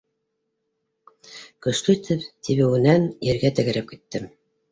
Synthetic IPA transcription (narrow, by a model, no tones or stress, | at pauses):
kɵ̆ʃlɵit̪ʰɘpt̪iβɘ̆wɘ̆nænjɘ̆ɾɡæt̪ɘ̆ɡɘ̆ɾæp̚ki̥t̪ːɘm